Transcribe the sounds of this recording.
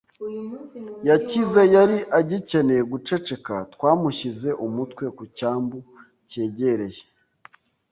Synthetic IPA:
jacizejaɾiʔaɟice̞neɡut͡ʃe̞t͡ʃe̞katkwaːmuʃize̞ʔumutkwe̞kucaːmbu | ce̞ːɟe̞ɾe̞je

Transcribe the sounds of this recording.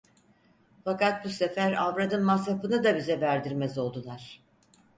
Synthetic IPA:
fakat̪̚buse̞fæɾavɾad̪ɯnmashapɯnɯd̪abizɛvæɾd̪iɾmɛzo̞lˠd̪ulˠaɾ̥

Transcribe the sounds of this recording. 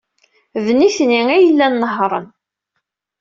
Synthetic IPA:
vniθniæjəlːænːəɦɾˤə̰n

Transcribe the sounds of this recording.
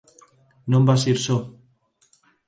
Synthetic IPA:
nombas̬iɾso

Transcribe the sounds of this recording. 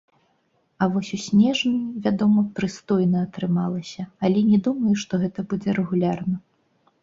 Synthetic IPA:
ɐvɔsʲusʲnʲɛʐnɨvʲad̪ɔmɐpɾɨst̪ɔjnɐːt̪ɾɨmalˠɐsʲɐɐlʲɛnʲɛd̪umɐjuʂt̪ɔɣɛt̪ɐbud͡zʲɛɾɛɣulʲarnɐ

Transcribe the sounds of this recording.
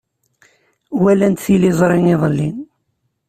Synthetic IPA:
wælænt̪θilizˤɾˤiniðˤəlːin

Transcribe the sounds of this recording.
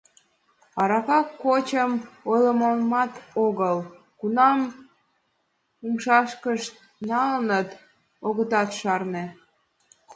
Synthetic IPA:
ɑɾɑkɑkːot͡ɕəmojləməmɑt̪oɣəl | kunɑm | umʃɑʃkəʃ | nɑlnət̪ | oɣət̪ɑt̪ʃɑrne

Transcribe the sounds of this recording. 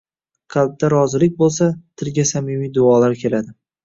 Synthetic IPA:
qʰɑlˠb̚d̪aɾɒzɪlɪk̚ʲbolˠs̬at̪ʰɪɾɡʲasamɪmijd̪ʊɒlaɾkʲʰe̞lad̪ɪ

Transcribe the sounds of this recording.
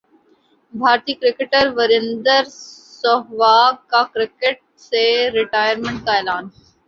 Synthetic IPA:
bʱaːɾt̪iːkɾɪkeʈəɾʋəɾɪnd̪əɾsoɦʋaːkakɾɪkeʈ̚ | seɾɪʈaːjəɾmə̃ɳʈ̚kaeːlaːn

